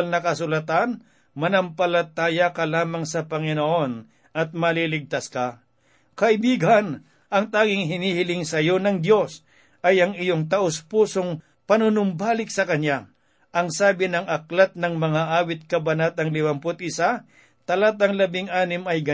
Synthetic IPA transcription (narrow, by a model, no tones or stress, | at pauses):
lnɐkɐsʊlɐt̪an | mɐnɐmpɐlɐt̪aːjɐkɐlaːmɐŋsɐpɐŋɪnoʔo̞n | ʔɐt̪̚mɐlilɪɡ̚t̪aska | kɐɪbiːɡan | ʔɐŋt̪aːɡɪŋɦɪniːhɪlɪŋsɐjo̞nɐŋd̪jo̞s | ʔɐjɐŋɪjoŋt̪ɐʔospuːsoŋ | pɐnʊnʊmbaːlɪk̚sɐkɐnja | ʔɐŋsaːbɪnɐŋʔɐklat̪̚nɐŋmɐŋaʔaːwɪt̪̚kɐbɐnat̪ɐŋlɪwɐmpʊt̪ɪsa | t̪ɐlat̪ɐŋlɐbɪŋʔaːnɪmɐjɡɐ